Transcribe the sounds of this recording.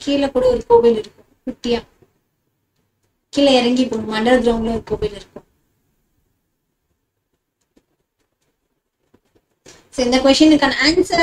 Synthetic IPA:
kiːlɐkuːɽɐɔɾɯkoːbɐlɪɾɯkːʊ̃mkʊʈːɪjaː | kiːlɐɛɾɐŋɡipːoːmɐɳɖɐɾɐd̪ɾoːŋɡɐlɐɔɾɯkoːbɐlɪɾɯkːʊ̃m | soɪnd̪ɐkʋɛʂʈɐnɯɾkːaːnɐaːnsɐɾ

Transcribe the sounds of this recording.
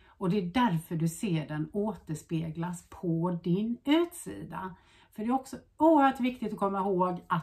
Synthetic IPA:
ɔd̪ɛːɖæɾfœɖɵseːɖɛnoːt̪əʂpeːɡlaspʰɔd̪ɪnʉ̟ːt̪sḭːd̪a̰ | fœɖɛːɔksɔ | uːəɾhœːʈvɪkt̪ɪt̪ɔkʰɔmːahoːɡa

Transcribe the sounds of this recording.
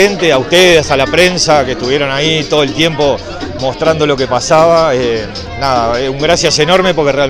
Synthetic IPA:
ent̪eauht̪eðesaht̪alapɾe̞nsakeht̪uβje̞ɾo̞nait̪o̞ð̞o̞elt̪je̞mpo̞ | mo̞st̪ɾand̪o̞lo̞kepasaβae | naðaeuŋɡɾasjase̞no̞ɾmepo̞ɾkereal

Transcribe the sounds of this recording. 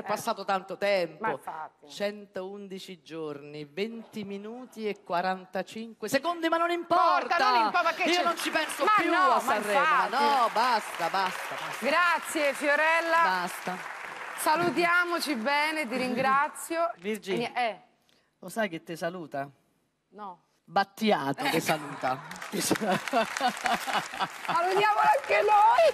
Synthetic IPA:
ɛpːasːaːt̪ot̪ant̪ot̪ɛmpoit͡ʃɛnt̪ound̪it͡ʃid͡ʒornivent̪iminuːt̪iekːwaɾant̪at͡ʃiŋkwesekond̪imanːonimpɔɾrt̪anoampɔaiːonont͡ʃipɛnsoapjuɔasarɛaanɔbast̪abast̪aasɡɾat̪sːjefjoɾɛlːabast̪asalut̪̬jaːmot͡ʃibɛːnet̪̬iɾiŋɡɾat̪sjovird͡ʒiɛ | losajk̟et̪ːesaluːt̪a | nɔ | bat̪ːjaːt̪ot̪esaluːt̪at̪is | salut̪jaːmoaŋkenoj

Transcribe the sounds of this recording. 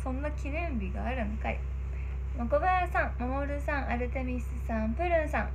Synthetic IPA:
sõnɡakʲinẽmbʲiɡa̰ːɾɯmɯkaḭ | mokobajasãŋmamoɾɯ̟sãŋʔaɾɯ̟t̪emʲisɨsãmpɯ̟ɾɯ̃ɰ̃sãŋ

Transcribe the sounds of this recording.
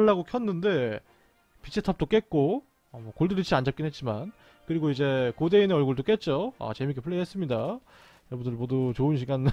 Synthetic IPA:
ɭːaɡokʰjʌnːɯnde̞ | pit͡ɕʰetʰʌp̚t͈ok͈et̚k͈o | amwʌkoɭdɯɾit͡ɕʰiand͡ʑap̚k͈inɦet̚t͡ɕ͈iman | kɯɾiɡoid͡ʑe̞kode̞ineʌɭɡuɭdok͈e̞t̚t͡ɕ͈oa̰t͡ɕe̞mik͈epʰɯɭːeɦe̞s͈ɯmɲida | jʌʌbundɯɭmwʌdut͡ɕoɯnɕʰiɡan

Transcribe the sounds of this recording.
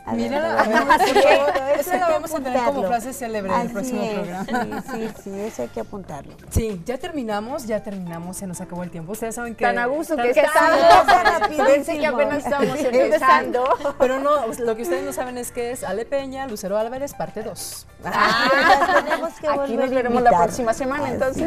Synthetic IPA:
miɾalaβmeeoeselaβemosent̪eneɾkomoflas̬eseleβɾeelpɾoksimopɾoɣɾamaisiesoajkeapunt̪a̰ɾlosiɟ͡ʝat̪e̞ɾmĩnamo̞s̬ʝat̪e̞ɾmĩnamosːenosakaβoelt̪je̞mpoust̪eesaβeŋkeanaɣust̪oekeaapieseeapenase̥st̪mosesand̪ope̞ɾo̞nolo̞k̬eust̪eeznosaβe̞neskeesalepe̞ɲaluseɾoβalβaɾe̞spaɾt̪eðo̞s | a | enmokeakoliozeɾemozlaɾoksimasemãnaent̪onses

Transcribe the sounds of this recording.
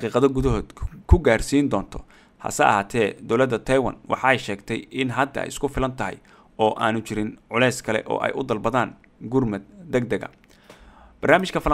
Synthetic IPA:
qiːqɑðɔɡʊðɐɦɔːd̪kʰʊɡaːrsiːnd̪ɔːnt̪ʰɔ | hɑ̰sɐ̰ʔɐ̰haːt̪ʰɛːd̪ɔwlɐd̪ːɐt̪ʰɐjwɐ̰nwʔɑ̰ħɑɛjʃɛːɡt̪ʰɛjɪnɦɐd̪ɐ̰ɛ̰jʔɪskʰʊfɪlɐnt̪ʰɐɦɪ̰j | ɔːʔa̰ːnʊt͡ʃɪɾɪnʕʊlɛjskʰɐlɛ̰ʔɔ̰ːʔɛ̰jʔʊd̪ɐlbɐðaːn | ɡʊrmɐd̪ɛɡd̪ɐɡɐ̰ | b̥ɐrnaːmɪʃkʰɐfɐl

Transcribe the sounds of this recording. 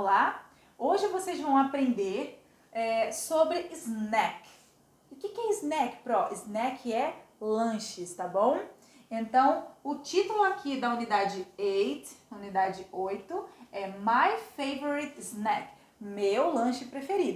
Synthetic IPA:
la | oʒɪvosejzvɐ̃w̃apɾẽnd̪eɾ | ɛsobɾɪiznɛk | ʊkɪkɪɛɪznɛkɪ̥pɾɔʔiznɛkʰɪɛlɐ̃ʃɪst̪abõw̃ | ẽnt̪ɐ̃w̃ʊt͡ʃit̪ʊlʊakʰid̪ɐunid̪ad͡ʒɪejt̪unid̪ad͡ʒɪojt̪ʊɛmajfejvoɾit̪znɛk | mewlɐ̃ʃɪpɾefeɾid̪ʊ

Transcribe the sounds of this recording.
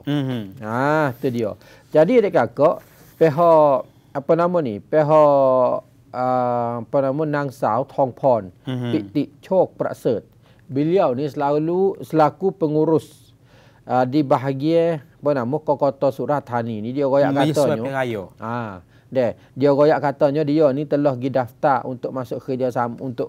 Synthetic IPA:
at̪udiɔ̰ | d͡ʒadidɛkakɔʔ | pɛɦɔ | apənamɔnipɛɦɔ | əapanamɔnaŋsawt̪ʰɔŋpʰɔniʔt̪iʔt͡ʃʰɔk̚pɾa̰ʔsət̪̚ | biliawnisəlalusəlakupəŋuɾʊs | ədibaɦaɡiə | pənamɔkɔkɔt̪ɔsuɾat̪̚ɦaninidiɔɡoja̰ʔkat̪ɔɲɔajɔa | dɛ | diɔɡojaʔkat̪ɔɲɔdiɔnit̪əlɔhɡidaft̪arʔṵnt̪ʊʔ̚masʊʔkəd͡ʒasamunt̪ʊʔ

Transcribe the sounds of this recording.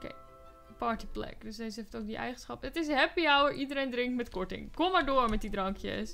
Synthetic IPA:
kḛ | pɑːɹtiplɛ̰kdøsdesəeftowk̚diʔɛ̰jχənsχɑpətɪs̬ɦɛpiawəɹʔidəɾejndrɪŋktmɛtkɔɹtɪ̰̃ŋkomːaːɹdoːɹmɛt̚didrɑŋkʰjə̰s

